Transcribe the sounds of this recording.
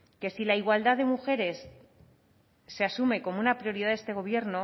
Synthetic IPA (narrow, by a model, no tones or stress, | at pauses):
ke̞silaiɣwald̪aðe̞muxe̞ɾe̞s | e̞asume̞ko̞mounapɾio̞ɾiðaðest̪e̞ɣ̞o̞β̞je̞ɾno